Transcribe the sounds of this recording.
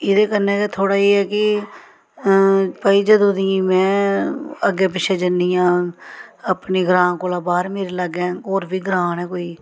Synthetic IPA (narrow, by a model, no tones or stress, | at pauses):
ɪd̪eːkənːeːt̪eːt̪ʰoːɽaːeːɛːkɪ | pəːiːd͡ʒəd̪õd̪iːĩːmɛ̃ː | əɡːeːp̬ɪʃʰeːd͡ʒənːijãː | əpneːɡɾãːnkoːlaːbaːɾmeːɾeːləɡɛ̃ːoːɾbʱiːɡɾaːnɛ̃ːkoːiː